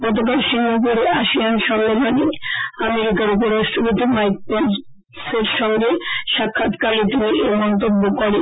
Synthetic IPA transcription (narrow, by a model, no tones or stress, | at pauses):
pɔt̪̬okalʃinːukoɾeʔaʃianʃɔmmeloniameɾikaɾup̬oɾasʈobit̪imajk̚pen | seɾʃɔŋɡeʃakʰːat̪kalet̪imiʔemɔnt̪obːokoɽe